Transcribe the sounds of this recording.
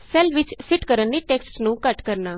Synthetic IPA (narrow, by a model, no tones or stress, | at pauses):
sɛlʋɪt͡ʃpʰɪʈkəɾənːiːʈeːksʈnũːkəʈkəɾnaː